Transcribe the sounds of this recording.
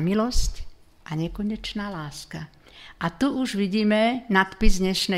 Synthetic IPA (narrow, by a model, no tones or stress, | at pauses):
milɔsc | ʔaɲɛkɔɲɛt͡ʃnaːlaːska | ʔat̪uʔuʒʋiɟiːmɛnat̪pizdɲɛʃnɛ